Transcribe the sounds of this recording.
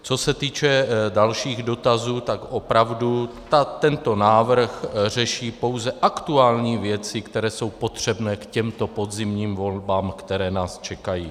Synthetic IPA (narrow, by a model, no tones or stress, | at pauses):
t͡so̞sɛt̪iːt͡ʃɛdalʃiːɣdo̞t̪azuːt̪akʔo̞pɾavdu | t̪at̪ɛnt̪o̞naːvr̩xr̝ɛʃiːpo̞wzɛʔakt̪uaːlɲiːvjɛt͡sɪkt̪ɛɾɛːso̞wpo̞t̪r̝̥ɛbnɛːkcɛmt̪o̞po̞d̪zɪmɲiːmvo̞lbaːmkt̪ɛɾɛːnaːst͡ʃɛkajiː